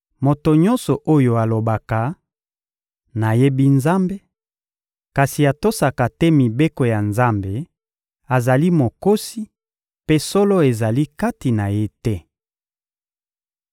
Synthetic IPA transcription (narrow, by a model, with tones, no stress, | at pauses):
mo˨to˨ɲɔ˦nsɔ˨ʔo˦jo˨a˨lo˨ba˨ka˨ | na˨je˦bi˦nza˦mbe˦ | ka˨si˨a˨to˦sa˨ka˨tɛ˦mi˨be˦ko˨ja˨nza˦mbe˨ | a˨za˨li˦mo˨ko˦si˦ | pe˦sɔ˦lɔ˦e˨za˨li˦ka˦ti˨na˨je˦tɛ˦